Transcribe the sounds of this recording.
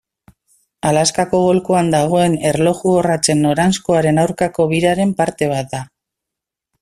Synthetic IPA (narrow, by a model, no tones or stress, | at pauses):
alaskako̞ɣo̞lkuand̪aɣ̞o̞e̞ne̞ɾlo̞xuorat͡se̞nːo̞ɾanskoaɾe̞nawɾkako̞β̞iɾaɾe̞mpaɾt̪e̞β̞at̪̚d̪a